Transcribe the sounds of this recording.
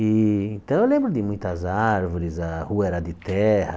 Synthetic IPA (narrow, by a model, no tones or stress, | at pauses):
ɪẽnt̪ɐ̃w̃ewlẽmbɾʊd̪ɪmũj̃t̪ɐzaɾvoɾɪzɐhuɐɛɾɐd̪ɪt̪ɛhɐ